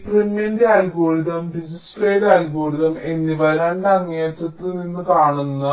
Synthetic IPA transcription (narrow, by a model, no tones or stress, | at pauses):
premjendeaːlɡoːɭiðɐmɖisnispreːɖaːlɡoːɭiðɐme̞nːiʋɐɾaːɳɖɐŋːeːt̪ɐt̪ːininːɨkaːɳunːɐ